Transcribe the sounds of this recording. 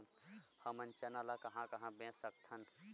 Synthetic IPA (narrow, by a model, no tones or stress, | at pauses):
nhəmənt͡ʃənalakɐɦãkɐɦãbẽsək̚t̪ʰən